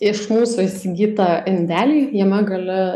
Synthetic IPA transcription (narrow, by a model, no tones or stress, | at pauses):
ɪʃmuːsuisʲɪɡʲiːt̪ɑɪnʲd̪ʲæːlʲiːjiɛmɐɡɐlʲɪ